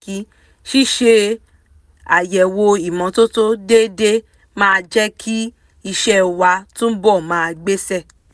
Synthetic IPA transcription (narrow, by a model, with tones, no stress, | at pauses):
i˨˦ | ʃi˦˨ʃe˧ | a̰˨jɛ˨wo˧i˨mɔ̃˨˧˦to˦to˦de˦de˦ | mãː˦˧d͡ʒɛ˦kʰi˦ | i˧ʃɛ˦wa˧tũ˦bɔ˦˨mãː˦˧ɡ͡be˦sɛ˦˨